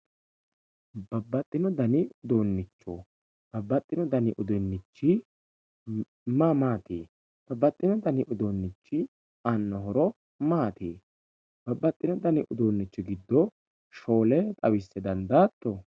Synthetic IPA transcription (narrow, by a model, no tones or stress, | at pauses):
bɐbːɐt̪ʼːɪnɔd̪ɐnɪʊd̪oːnːɪt͡ʃːɔ | b̥ɐbːɐt̪ʼːɪnɔd̪ɐnɪʔʊd̪ɔnːɪt͡ʃːɪ | mamaːt̪eː | b̥ɐbːɐt̪ʼːɪnɔd̪ɐnɪʔʊd̪onːɪt͡ʃːɪ | ɐnːɔɦɔɾɔ | maːt̪eː | b̥ɐbːɐt̪ʼːɪnɔd̪ɐnɪʔʊd̪oːnːɪt͡ʃːɔɡɪd̪ːɔ | ʃoːlɛt̪ʼɐwɪsːɛd̪ɐnd̪aːt̪ːɔ